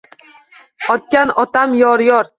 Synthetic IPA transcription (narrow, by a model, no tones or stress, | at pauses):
ɒt̪kʲanɒt̪ʰamjɒɾjɒɾ